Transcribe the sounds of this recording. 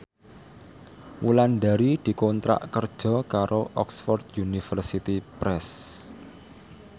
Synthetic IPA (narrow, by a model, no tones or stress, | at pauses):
wʔulandaɾid̪̥i̤kont̪ɾa̰ʔkərd̥ʒ̥ɔ̤kaɾʔoʔɔksfɔrd̪junifərsit̪ipɾɛs